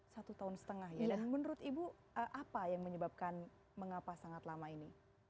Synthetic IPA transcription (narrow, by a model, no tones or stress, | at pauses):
sat̪ut̪aʊnsə̥t̪əŋahjadanmənəɾʊt̪ibu | əʔapajaŋməɲəbap̚kan | məŋapasaŋat̪lamaini